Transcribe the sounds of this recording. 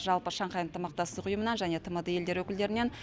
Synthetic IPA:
ʒɑlˠpəʃɑɴqʰɑjənt̪ʰəmɑq̚t̪ɑsəqʊjəmənɑnʒæne̞t̪ʰəməd̪əje̞ld̪e̞ɾwɵkʲɪld̪e̞ɾɪne̞n

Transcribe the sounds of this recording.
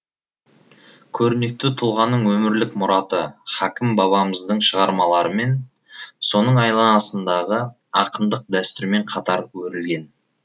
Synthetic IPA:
kʲʰɵɾne̞k̚t̪ɪt̪ʰʊlˠʁɑnːəɴwɵmɪɾlɪkmʊɾɑt̪əχækʲɪmbɑβɑməzd̪əɴʃəʁɑɾmɑlˠɑɾəme̞n | so̞nəɴɑjlˠɑnɑsənd̪ɑʁə | ɑqənd̪əq̚d̪æst̪ʏɾme̞ɴqʰɑt̪ɑɾwɵɾɪlɡʲe̞n

